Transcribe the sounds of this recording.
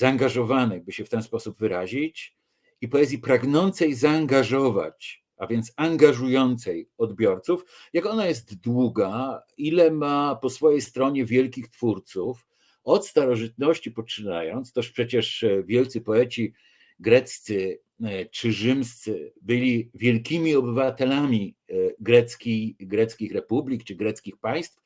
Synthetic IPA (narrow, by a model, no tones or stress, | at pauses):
zaːŋɡaʐɔvanɛjbɘɕɛft̪ɛnspɔsubvɘɾaʑit͡ɕ | ipɔɛzʲjipɾaɡnɔnt̪sɛjzaːŋɡaʐɔva̰t͡ɕ | avʲjɛnt̪saŋɡaʐujɔnt̪sɛjɔd̪bʲjɔɾt̪suf | jakɔnajɛs̬t̪d̪wuɡa | ilɛmapɔsfɔjɛjst̪ɾɔɲɛvʲjɛlkʲixt̪fuɾt̪suf | ɔt̪st̪aɾɔʐɨt̪̚nɔɕt͡ɕipɔt͡ʂɘna̰jɔnt̪st̪ɔʂpʂɛt͡ɕɛʂvʲjɛlt̪sɘpɔɛt͡ɕi | ɡɾɛt̪st̪sɘ | t͡ʂɘʐɘmst̪sɘbɘlʲivʲjɛlkʲimʲiɔbɘvat̪ɛlamʲiɡɾɛt̪skʲijɡɾɛt̪skʲixɾɛpublʲikt͡ʂɘɡɾɛt̪skʲixpaj̃st̪f